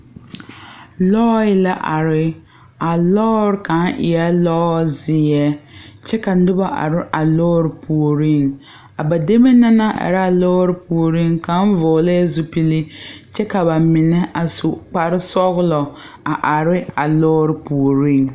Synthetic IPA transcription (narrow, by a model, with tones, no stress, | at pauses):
lɔː˦ɪ˦la˦ʔa˨ɾɪ˦ | a˨lɔː˦ɾka˨˦nʔɪ̰˨ja˦lɔː˦zɪ˨ɛ˦t͡ʃɛ˦ka˨˦dʊ˦ba˦ʔa̰˨ɾɪ˦ʔa˨lɔː˦ɾɪ˨pʰu˨o˨ɾi˦˨ŋ | a˨ba˨de˦me˦na˦na˦ʔa̰˨ɾa˨lɔː˦ɾɪ˦pʰu˨o˨ɾi˦ŋka˨˦n˦vɔː˨le˦zʊ˦pi˦li˦t͡ʃɛ˦ka˨ba˨mɪ˨nɛ˦ʔa˨sʊ˨k͡pa˨ɾɪ˦sɔ˦ɣʊ˦lɔ˨ | a˨ʔa˨ɾɪ˦a˨lɔː˦ɾɪ˨˦pu˨o˨ɾi˦˨ŋ